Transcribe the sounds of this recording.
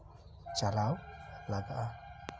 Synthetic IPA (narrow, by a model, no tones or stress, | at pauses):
t͡ʃalawlaɡaʔa